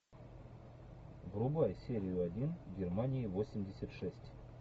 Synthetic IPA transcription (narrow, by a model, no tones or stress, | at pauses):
ɡrʊbajsʲeɾʲɪjʊadʲinɡʲɪrmanʲɪjivo̞sʲɪmʲdʲɪsʲat̪ʂɛsʲtʲ